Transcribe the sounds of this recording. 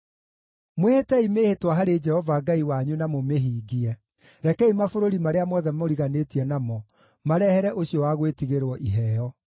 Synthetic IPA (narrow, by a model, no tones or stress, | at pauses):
mwehetɛimeːhetwaɦaɾed͡ʒɛhɔvaɡaiwaɲunamomeɦiːɡiɛ | ɾɛkɛimafoɾoɾimaɾeamɔðɛmoɾiɣanetiɛnamɔ | maɾɛhɛɾɛʔoɕiɔwaɣwetiɣeɾwɔʔiɦɛjɔ